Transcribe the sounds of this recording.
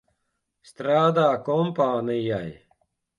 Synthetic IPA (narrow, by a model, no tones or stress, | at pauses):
st̪ɾaːd̪aːkompaːnijaj